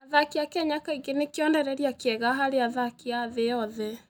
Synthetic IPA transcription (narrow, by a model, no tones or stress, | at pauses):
aðakiakɛɲakaiɡenekjɔndɛɾɛɾiakɛɣaɦaɾeaðakiaðeɔðɛ